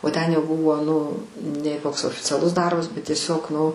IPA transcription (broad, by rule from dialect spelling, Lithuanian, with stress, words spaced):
oː ˈtʲɛn jɛʊ ˈbʊʋoː ˈnʊ nʲɛɪ ˈkoːks oːfʲɪt͡sʲɛˈlˠʊs ˈdɐrbɐs bʲɛt tʲiɛˈsʲoːk ˈnʊ